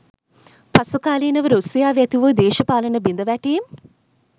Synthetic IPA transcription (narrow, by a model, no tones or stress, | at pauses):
pɐsukaːliːnɐʋɐɾusijaːʋjat̪iʋəd̪eːʃɐpaːlɐnɐbind̪ɐʋɛʈeːm